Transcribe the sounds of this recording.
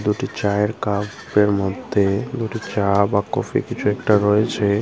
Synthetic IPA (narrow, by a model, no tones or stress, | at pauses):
d̪uʈit͡ɕaeɾkabeɾmɔd̪ʱːed̪uʈit͡ɕabakɔ̰fʰḭkit͡ɕʰuɛkʈaɾɔet͡ɕʰe